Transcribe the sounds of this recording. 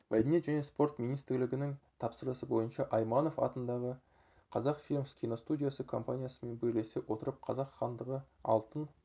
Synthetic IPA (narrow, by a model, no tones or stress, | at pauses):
mæd̪ʲenet̪ʒæne̞spo̞rt̪mijnijst̪ɪɾlɪɡʲɪnɪŋt̪ʰɑpsəɾəsəbo̞jənʃɑʔɑjmɑno̞fɑ̰t̪ənd̪ɑʁə | qʰɑzɑqfʲilʲmskʲijno̞st̪udʲijasəkʰo̞mpanʲijasəme̞nbeɾlesewo̞t̪əɾəp̚qʰɑzɑqχɑnd̪əʁə | ɑ̰lˠt̪ən